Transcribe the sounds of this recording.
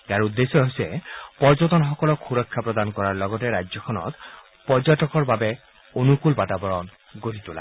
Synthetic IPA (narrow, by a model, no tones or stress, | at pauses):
eaɹud̪ːesɔɦojsɛpɔɹzɔt̬ɔnxɔkɔlɔkxuɹɔkʰːapɹɔd̪ankɔɹaɹlɔɡɔtɛɹad͡ʑzɔkʰɔnɔ̰t | pɔɹzatɔkɔɹbabɛ | onukulbatabɔɹɔn | ɡoɹit̪ula̰